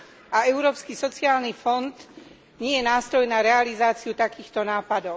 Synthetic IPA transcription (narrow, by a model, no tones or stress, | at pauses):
ʔaɛʊɾɔːpskisɔt͡siaːlnifɔnd̪ | ɲɪɛjɛnaːst̪ɾɔjnaɾɛalizaːt͡siut̪akiːxt̪ɔnaːpad̪ɔʊ